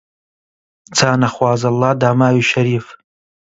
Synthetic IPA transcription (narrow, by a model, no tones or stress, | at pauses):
t͡sʰaːnɐxwaːzɐlːɑːd̪aːmaːwiːʃɐɾiːf